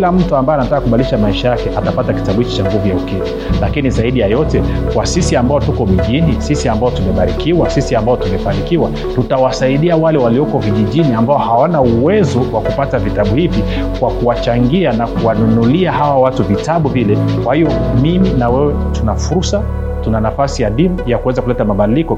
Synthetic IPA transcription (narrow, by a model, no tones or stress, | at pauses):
kilam̩tuambaɛanatakakuɓaliliʃamaiʃajakɛʔatapataki̥taɓuhit͡ʃi̥t͡ʃaŋɡuvujaukɛvi | lakinizaiɗijajɔtɛ | kwasisiambaɔtukɔmiʄinisisiambaɔtumɛɓaɾikiwasisiambaɔtumɛfanikiwa | tutawasaiɗiawalɛwaliɔkɔviʄiʄiniambaɔhawanauwɛzɔwakupatavitaɓuhivi | kwakuwat͡ʃaŋɡianakuwanunuliaɦawawatuvitaɓuvilɛkwahijɔmiminawɛwɛ | tunafuɾsa | tunanafasijaɗimujakuwɛzakulɛtamaɓaɗilikɔ